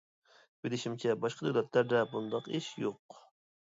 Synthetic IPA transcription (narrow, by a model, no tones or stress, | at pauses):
bɪlɪʃimt͡ʃʰɛbɑʃqəd̪øwlɛt̪læɾd̪ɛbund̪ɑqiʃjoq